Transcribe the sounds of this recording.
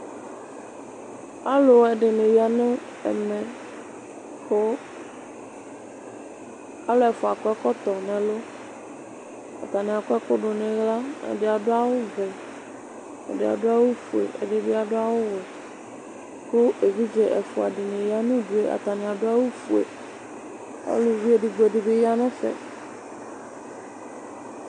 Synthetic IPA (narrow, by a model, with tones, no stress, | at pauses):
a˦lo˨ɛ˨ɖe˨nẽ˨ja˨nẽ˦ | ɛ̰˨mɛ̃˨ | ko˦ | a˨lo˦ɛ˨fo˨a˨kɔ˦ɛ˦kɔ˦t̪ɔ˨nɛ̃˨lo˦ | a̰˨t̪a˨nẽ˨a˨kɔ˦ɛ˦ko˦ɖo˨nẽ˨ɣla˦ḛ˨ɖe˨a˨ɖo˦a˦wo˦vɛ˨ | ɛ̰˨dɪ˨a̰˨dʊ˦a˦wo˦fu˨ḛ˨ʔɛ̰˨ɖɪ˦bɪ˦a˨ɖʊ˦a˦wo˦wɛ˨ | ko˦ʔe˨vi˦d͡ʒɛ˨ʔɛ˨fʊ˨a˨ɖɪ˨nẽ˨ja˦nũ˦ɖu˨e˦ʔa̰˨t̪a˨nɪ̃˨a˨ɖʊ˦a˦wo˦fu˨ḛ˨ | a̰˦lo˨vi˦e˨ɖɪ˨ɡ͡bɔ˨ɖɪ˨be˦ja˦nɛ̃˦fɛ̰˨